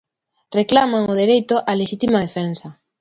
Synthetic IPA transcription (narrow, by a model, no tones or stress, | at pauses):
reklamaŋoðeɾejt̪ʊʔaleʃit̪imaðefɛnsɐ